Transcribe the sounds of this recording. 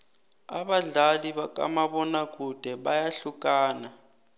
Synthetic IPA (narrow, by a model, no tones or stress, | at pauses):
a̰ɓaɮaliɓak̬ʼa̰maɓɔnak̬ud̥ʱɛɓajaɬukaːna